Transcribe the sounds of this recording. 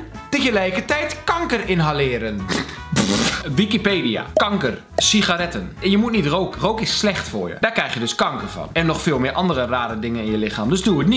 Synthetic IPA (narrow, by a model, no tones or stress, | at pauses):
təɣəlɛjkətɛjtkɑŋkərɪnɦalɪːɾən | ʋikipeːdia̰kɑŋkər | sixaɾɛtənɛnjəmutnitrowkrowkɪsslɛxtfʊ̰ːɹjə̰d̥aːkrɛjxjədøskɑŋkərvɑ̰nɛnːɔxfɪːlˠmɪːɹʔɑndərəraːɾədɪŋənɪnjəlɪxaːmdøsduətni